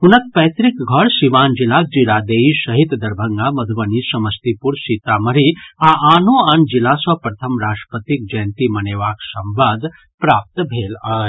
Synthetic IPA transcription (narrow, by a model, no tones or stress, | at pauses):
ɦunɐk̚pɛːt̪ɾikɡʱɐɽʃiʋaːnd͡ʒilaːk̚d͡ʒiɾaːd̪eːisɐɦit̪d̪ɐɾbʱɐŋɡamɐd̪ʱuʋɐnisɐmɐst̪ipuɾsit̪amɐɾiaʔaːnoand͡ʒilaːsɐpɾɐt̪ʰɐmɾaːʂʈəpət̪ik̚d͡ʒɐjnt̪imɐneːʋaːksɐmbad̪ʱ | pɾaːp̚t̪bʱeːlaːe